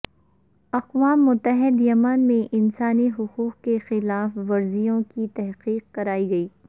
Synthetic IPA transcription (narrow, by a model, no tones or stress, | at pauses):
ɐqʋaːmːʊt̪ːəɦɪd̪jɐmaːnmẽʔɪnsaːniɦʊquːqkexɪlaːfʋɐɾzijõkit̪ɛɦqiːq̚kɐɾaːiɡɐiː